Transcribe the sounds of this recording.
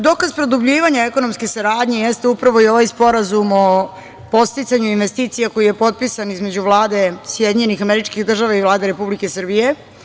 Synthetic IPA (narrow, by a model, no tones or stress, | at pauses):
d̪o̞kazpɾod̪ubʎiːʋaɲaeko̞no̞mske̞saɾaːd̪ɲe̞je̞st̪eupɾaʋo̞io̞ʋajspo̞ɾazumo | po̞st̪it̪saɲuinʋe̞st̪iːt̪sijako̞ije̞po̞t̪̚pisanizme̞d͡ʑuʋlˠaːd̪e̞sjed̪iɲe̞nixameɾit͡ʃkiɣd̪r̩ʒaʋaivlˠaːd̪eɾe̞publikesr̩bije̞